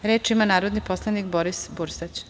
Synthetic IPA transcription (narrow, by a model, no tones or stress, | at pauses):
ɾeːt͡ʃimanaːɾod̪niposlˠanikboɾisbuɾsat͡ɕ